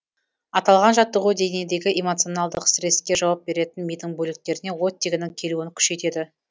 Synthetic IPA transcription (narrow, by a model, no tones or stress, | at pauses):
ɑt̪ɑlˠʁɑnʒɑt̪ːəʁud̪e̞nied̪e̞ɡʲɪʔemo̞t̪sio̞nɑlˠd̪əqsɾe̞skʲe̞ʒɑwɑp̚be̞ɾe̞t̪ɪnmijd̪ɪŋbɵlɪk̚t̪e̞ɾɪne̞wo̞t̪ʲːeɡʲɪnɪŋkʲʰe̞luɪŋkʲʰʏ̥ʃe̞t̪e̞d̪ɪ